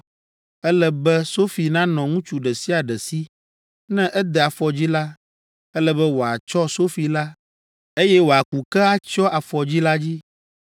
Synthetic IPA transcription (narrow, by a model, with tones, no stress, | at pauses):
ɛ˦lɛ˦bɛ˦so˦fi˨nã˦nɔ̃˨ŋũ˦t͡ʃu˨ɖɛ˨si˦a˨ɖɛ˨si˦ | nɛ̃˦ʔɛ˦d̪ɛ˨a˨fɔ˨d͡ʑi˦la˦ | ɛ˦lɛ˦bɛ˦wo˨a˨t͡ʃɔ˦so˦fi˨la˦ | e˦jɛ˦wo˨a˨ku˨kɛ˦a˦t͡ʃɔ˦ʔa˨fɔ˨d͡ʑi˦la˦d͡ʑi˦